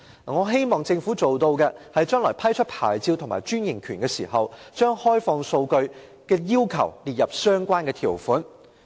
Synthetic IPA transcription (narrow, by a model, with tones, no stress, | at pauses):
ŋɔː˨˧ɦe˥jmɔː˨ŋt͡sɪ˧ŋfuː˨˥t͡so˨wt̪o˧wkɛː˧hɐ˨jt͡ʃœː˥ŋlɔː˨˩jpʰɐ˥jt͡ʃʰɵ˥t̚pʰa̰ː˨˩jt͡siː˧wt̪ʰʊ˨˩ŋma̰ː˨˩jt͡ʃyː˥njɪ˨˩ŋkʰyː˨˩nkɛː˧siː˨˩ɦɐ˨wt͡ʃœː˥ŋhɔː˥jfɔː˧ŋso˧wkɵ˧ɥ | kɛː˧jiː˥wkʰɐ̰˨˩wliː˨t̚jɐ˨p̚sœː˥ŋkʷaː˥nkɛː˧t̪ʰiː˨˩wfuː˨˥n